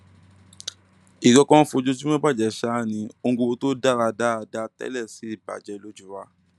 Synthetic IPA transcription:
i˨ɡɔ˧˦kɔ̃˦fo˧d͡ʒo˦d͡ʒu˦mɛ̃˦ba˦˨d͡ʒɛ˨ʃa˦˨nĩ˧o˧˦ɡo˧to˦da˦˨ɾa˧da˦a˧da˧tɛ̰˦lɛ˦˨si˨˦i˦˨ba̰˨d͡ʒɛ˦˧lo˦d͡ʒu˦˨wa˧˦

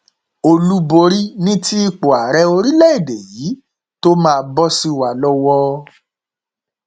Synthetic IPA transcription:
o˧lu˦bo˧ɾi˦nĩ˦ti˦i˧k͡po˨a˨ɾɛ˧˦o˧ɾi˦lɛ˦e˦˨de˨jiː˨˦ | to˦mãː˦˧˦bɔ˦si˧˨wa˨lɔ˧˦wɔ˧

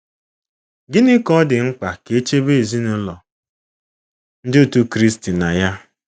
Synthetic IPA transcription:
ɡɪ˦nɪ˦kɔ˦dɪ˨ŋ͡m̩˦k͡pa˨ke˨˦e˦t͡ʃe˦be˦˨zi˦nʊ˦lɔ˨ | n̩˦dɪ˦u˨tu˦kɾi˦sti˨na˨ja˦

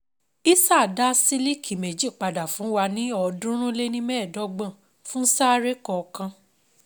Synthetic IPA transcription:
i˦sa˦˨da˦si˦li˦kʰi˨me˨d͡ʒi˦˨k͡pa˨da˨fũ˨˦wa˧nĩ˦ɔ˧dũ˦ɾ̃ũ˦le˦nĩ˦mɛː˦˨dɔ˨˦ɡ͡bã˦˨ | fũ˦n̩˦sa˦ɾe˦kɔ˧kã˧

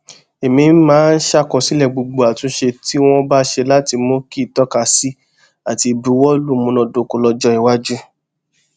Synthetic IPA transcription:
e˨mĩ˧˦mãː˨˦n̩˦ʃa˦˨kɔ˨si˦lɛ˦˨ɡ͡bo˧ɡ͡bo˨a˨tũ˧ʃe˧ti˦w̃ɔ̃˦ba˦ʃe˧la˦ti˧mõ˦ki˦˨tɔ˦ka˧si˦ | a˨ti˧˨bu˨˦wɔ˦lu˦˨mũ˨˧nɔ̃˧˨do˨˦ko˧˦lɔ˧d͡ʒɔ˦i˨wa˦d͡ʒu˦

